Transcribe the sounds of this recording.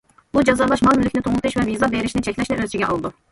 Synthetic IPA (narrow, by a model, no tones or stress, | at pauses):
bud͡ʒɑzɑɾlˠɑʃmɑlˠmylʲycʰʲnit̪ʰoŋut̪ʰɯʃvɛvizɑbeɾiʃnit͡ʃʰɛcʰʲlʲɛʃlʲɛʔøzt͡ʃʰiɡʲɛʔɑ̰lˠd̪u